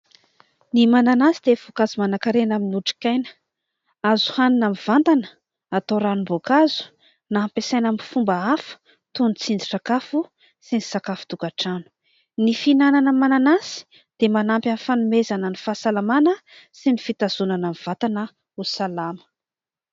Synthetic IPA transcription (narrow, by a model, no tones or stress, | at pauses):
nimananasid̪̥ev̥okazimanakaɾenaminuʈ͡ʂi̥kʲajnə̥ | azu̥haninamiv̥ant̪anə̥ | at̪oɾanumbokazu̥ | naampesajnamifumbəafu̥ | t̪unt͡sind͡ziʈ͡ʂakafu | sinisakafu̥t̪ukaʈ͡ʂanu̥ | nifinananəmananasi̥ | d̪̥emanampʲjanifanumezanənifasalamanə | sinifit̪az̥unanamiv̥at̪anə | usalamə̥